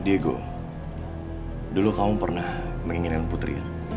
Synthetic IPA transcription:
dieɡo̰ | dulukamupərnah | məŋiŋinkanput̪ɾḭa̰

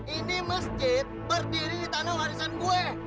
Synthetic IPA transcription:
ʔiniməsd͡ʒɪt̪̚bərdiɾidit̪anawaɾisanɡuɛ

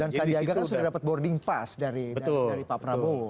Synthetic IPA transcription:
dansadiaɡakansudadapat̪̚bɔrdɪŋpasdaɾibədaaɾipapɾabo

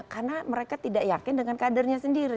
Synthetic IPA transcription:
karnaməɾekat̪idaʔjakɪndəŋankadərɲasəndiɾi

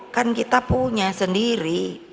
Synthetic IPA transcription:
kankit̪apuɲasəndiɾi

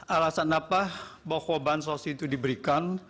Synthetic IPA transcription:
alasanapahbakobans̬osit̪udibəɾikan

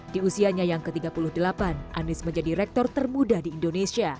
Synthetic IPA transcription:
diusiaɲajaŋkət̪iɡapuluhdəlapanʔanɪsməɲd͡ʒadiɾɛk̚t̪ɔrt̪ərmudadiːndonesia

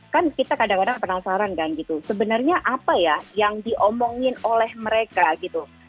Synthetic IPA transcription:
kankit̪akadaŋkadaŋpənasaɾankanɡit̪usəbənarɲaʔapajajaŋdiʔɔmɔŋɪnolɛhməɾekaɡit̪u

